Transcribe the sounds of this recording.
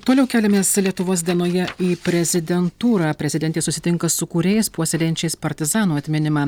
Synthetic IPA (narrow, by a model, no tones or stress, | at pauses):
t̪oːlʲɛʊkʲæːlʲɛmʲeːslʲiɛt̪ʊʋoːs̬d̪ʲiɛnoːjɛiːpʲɾʲɛzʲɪd̪ʲɛnt̪uːɾɑːpʲɾʲɛzʲɪd̪ʲɛnʲt̪ʲeːsʊsʲɪt̪ʲɪŋkɐsʊkuːɾʲeːjɛɪspuɔsʲɛlʲejɛnʲt͡ʃʲɛɪspɐɾʲt̪ʲɪzɑːnuːɐt̪ʲmʲɪnʲɪmɑː